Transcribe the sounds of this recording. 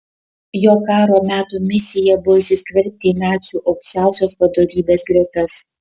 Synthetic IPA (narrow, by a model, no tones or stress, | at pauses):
joːkɑːɾoːmʲæːt̪uːmʲɪsʲɪjɛbʊʋɔɪsʲɪsʲkʲʋʲɛɾʲp̚ʲt̪ʲɪːnɑːt̪sʲuːʔɒʊkʲsʲæˑʊsʲoːspɐd̪oːʋʲiːbʲeːsɡɾʲɛt̪ɐs